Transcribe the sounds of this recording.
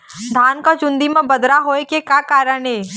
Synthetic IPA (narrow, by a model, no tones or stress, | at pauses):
d̪ʱaːnkat͡ʃʊ̃nd̪imẽbɐd̪ɾaɦoːekekjakaːɾəɳɦeː